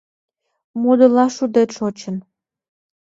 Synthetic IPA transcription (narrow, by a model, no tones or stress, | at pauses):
mud̪əlɑʃud̪et̪ʃot͡ɕən